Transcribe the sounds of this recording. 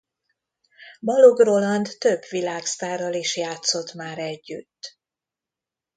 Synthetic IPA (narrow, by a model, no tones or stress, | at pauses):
bɒluɡrolɒnd̪t̪øbʋilaːkst̪aːrɒliʃjaːt̪so̞t̪maːɾɛɟːy̰t̪ː